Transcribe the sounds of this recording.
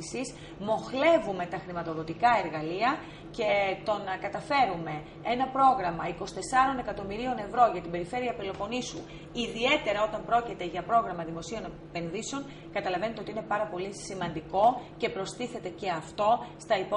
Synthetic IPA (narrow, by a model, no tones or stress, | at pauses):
sis | mo̞xle̞vume̞t̪ɐxɾimɐt̪o̞ðo̞t̪ikɐe̞ɾɣɐliɐ | ce̞t̪o̞nɐkɐt̪ɐfe̞ɾume̞ | enɐpɾo̞ɣɾɐmɐiko̞si̥t̪e̞sɐɾo̞ne̞kɐt̪o̞miɾio̞ne̞vɾo̞ʝɐt̪ibe̞ɾife̞ɾiɐpilo̞po̞nisu | iðie̞t̪e̞ɾɐo̞t̪ɐmpɾo̞cit̪e̞ʝɐpɾo̞ɣɾɐmɐðimo̞sio̞n | pe̞nðiseo̞n | kɐt̪ɐlɐvenet̪eot̪iine̞pɐɾɐpo̞lisimɐnd̪iko̞ce̞pɾo̞st̪iθe̞t̪e̞ce̞ɐft̪o̞st̪ɐipo